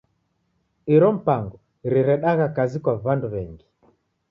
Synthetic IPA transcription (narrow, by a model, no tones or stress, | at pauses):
iɾɔm̩paŋɡɔ | ɾiɾɛɗaɣakazikwavanduβɛŋɡi